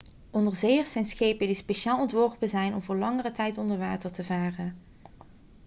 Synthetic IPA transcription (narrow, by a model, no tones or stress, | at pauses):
ʔɔndəɹzejəɹsɛnsxejpəndispeʃaːlˠɔntʋɔɹpəzɛjnɔmvʊːɹlɑŋərətɛjtɔndəɹʋaːtəɹtəvaːrən